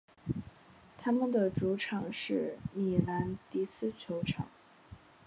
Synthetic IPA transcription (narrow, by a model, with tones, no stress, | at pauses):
t̪ʰa˥mə˨nd̪ə˩ʈ͡ʂu˧˥ʈ͡ʂʰɑ˨˩ŋʂɻ̩˥˩mi˨˩la˧˥nt̪i˥˩sɹ̩˥˩t͡ɕʰjo˧˥ʊʈ͡ʂʰɑ̰˨˩˦ŋ